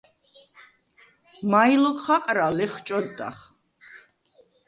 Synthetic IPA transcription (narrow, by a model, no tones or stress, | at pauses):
majlɔχʰaqʼɾalɛχt͡ʃʼɔd̪a̰χ